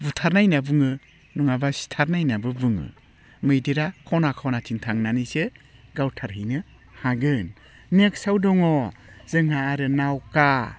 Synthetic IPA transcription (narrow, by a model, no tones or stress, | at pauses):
butʰaɾnajnabɯŋɯ | nuŋabasi̥tʰaɾnajnabɯbɯŋɯ̰ | mɯjdeɾakʰɔnakʰawnatʰintʰaŋnanisɯɡawtʰaɾɦɯjnɯ | haɡɯn | niek̚sawdɔŋɔzɯŋɦaːɾɯnawka